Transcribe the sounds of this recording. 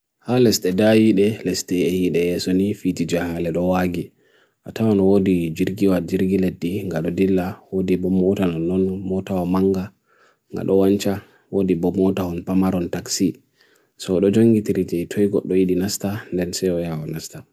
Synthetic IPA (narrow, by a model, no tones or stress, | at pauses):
halɛstɛdajiɗɛlɛstɛɛhiɗɛjɛsɔnifid͡ʒid͡ʒahalɛɗɔwaɡi | ʔatawanɔwodid͡ʒiɾɡiwad͡ʒiɾɡiledːiŋɡaɗɔdilːawodibɔmɔtanɔnɔnmɔtawamaŋɡa | ŋɡa̰ɗɔwant͡ʃa | wodibɔmɔtahɔnpamaɾɔntaksi | sɔɗɔd͡ʒoŋɡitiɾid͡ʒɛjtʰojɡɔ̰ɗːɔjiɗinastandɛnsɛjɔjawanasta